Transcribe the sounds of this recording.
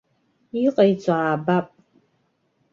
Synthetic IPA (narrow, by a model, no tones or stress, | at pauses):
iqʼɐjt͡sʷʼaːbapʼ